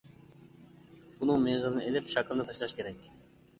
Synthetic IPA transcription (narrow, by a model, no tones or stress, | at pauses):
unɨŋmeʁɨzɨnɨelɪpʃɑkʰlˠd̪ɑt̪ʰɑʃlˠɑʃkʲʰeɾɛkʲ